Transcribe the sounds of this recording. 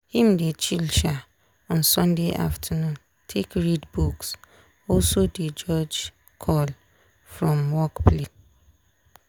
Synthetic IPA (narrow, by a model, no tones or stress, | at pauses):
hĩmdet͡ʃilʃa | ɔ̃nsɔ̃ndeʔa̰ftʰanũn | tʰekɹidbuks | ɔlsoded͡ʒɔd͡ʒ | kʰɔl | fɹɔ̃mwɔkple